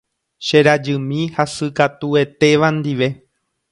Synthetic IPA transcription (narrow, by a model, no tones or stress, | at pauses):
ʃe̞ɾad͡ʒɨmĩhasɨkat̪ue̞t̪e̞ʋand̪iʋe̞